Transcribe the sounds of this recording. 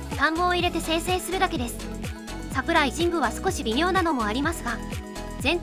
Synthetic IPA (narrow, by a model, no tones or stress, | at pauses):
t̪ãmbo̞ːiɾe̞t̪e̞se̞ːse̞ːsɨɾɯ̟d̪ake̞d̪e̞sɨ̥ | sakɯ̟ɾaiʑĩŋɡɯ̟βasɨ̥ko̞ɕibʲimʲo̞ːnano̞mo̞aɾʲimasɨɡa | zẽ̞n